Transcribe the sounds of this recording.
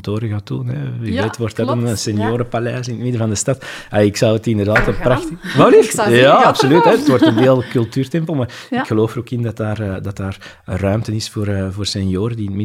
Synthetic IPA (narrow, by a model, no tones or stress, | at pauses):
toːɾəɣatuːnɛyʋeːtʋɔrtɑtənsɛnjoːɾəpalɛːsɪnətmɪdəvɑndəstɑtaɪksɑwətɪndərdaːtəpraxtʋalijaːɑpsolytɦɛdətʋɔrtənʋeːlˠkɵlˠtyːrtɛmpəl̩ˠmaːrɪkxəloːfəɾoːkɪndɑtaːrdɑtdaːr | rœɥmtənɪsfoːrvoːrsɛnjoːɾədinətmɪ